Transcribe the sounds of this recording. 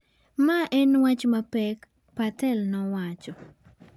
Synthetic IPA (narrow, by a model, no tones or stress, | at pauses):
maʔɛnwat͡ʃmapɛk | patɛlnɔwat͡ʃɔ